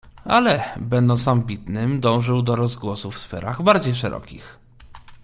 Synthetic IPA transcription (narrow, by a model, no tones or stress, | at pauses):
alɛbɛnd̪ɔ̃nt̪sambʲit̪nɘmd̪ɔ̃w̃ʐɘwd̪ɔɾɔzɡwɔsufsfɛ̰ɾaɣbaɾd͡ʑejʂɛɾɔ̰kʲḭx